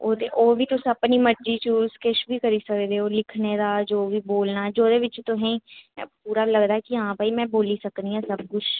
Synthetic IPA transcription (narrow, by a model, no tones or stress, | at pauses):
oːd̪eoːbʱit̪ʊsɐpnimɐɾd͡ʒit͡ʃuːskeʃbʱikɐɾisɐked̪eoːlɪkʰned̪ad͡ʒoːbʱiboːlnad͡ʒoːd̪eʋɪt͡ʃt̪oɦɛ̃puːɾalɐɡd̪aːɦɛkiɐɦãbaːimɛ̃ːboːlisɐkniɦɛ̃sɐb̚kʊt͡ʃʰ